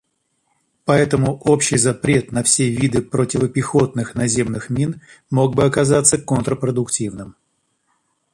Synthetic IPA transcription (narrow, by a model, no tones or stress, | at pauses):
pɐɛt̪əmʊʔo̞pɕːɪjzɐpɾʲe̞t̪nɐfsʲevʲid̪ɨpɾotʲɪvəpʲɪxo̞t̪nɨxnɐzʲe̞mnɨxmʲinmo̞ɡ̚bɨɐkɐzat̪sːəkont̪ɾəpɾəd̪ʊktʲivnɨm